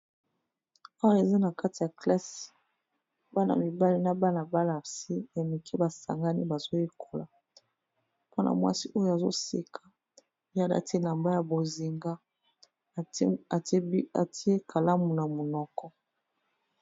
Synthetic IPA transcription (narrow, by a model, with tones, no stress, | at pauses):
a˦wa˦e˨za˦na˨ka˦ti˨ja˨kla˦si̥˨ | ba˦na̰˨mi˨ba˦li˦na˦ba˦na˨ba˦la˨si˦ja˨mi˨kʰi˦ba˨sa̰˨ŋɡa˦ni˦ba˨zo˦je˦kʰo˨la˨ | po˦na̰˨mwa̰˦si˦ʔo˦jo˦a˨zo̰˦sḛ˦kʰḁ˨˦ | ja˦da̰˦te˦na˨mba˦ja˨bo˨zi˨ŋɡa˦˨˦ | a̰˨ti˦e˦kʰa˨la˦mu˨na˨mu˨nɔ˨kɔ˦